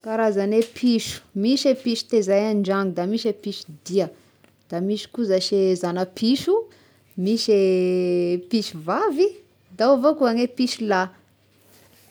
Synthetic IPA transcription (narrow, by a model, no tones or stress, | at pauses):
kaɾazanepʰiʃu̥miʃepiʃu̥t̪ezajaɳɖ͡ʐaŋud̪amiʃepiʃu̥d̪iə | d̪̥amiʃi̥kuzaʃezanəpʰiʃu | miʃe | piʃuvavi | d̪awvokuanepiʃula